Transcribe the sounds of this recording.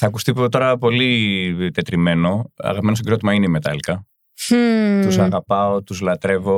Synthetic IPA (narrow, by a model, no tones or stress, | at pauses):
θɐkust̪ipt̪o̞ɾɐpo̞lit̪e̞t̪ɾime̞no̞ɐ̰ɣɐpimenos̬ɡeɾot̪imɐineimet̪ɐ̰likɐ | t̪usɐɣɐpɐo̞t̪uzlɐt̪ɾe̞vo̞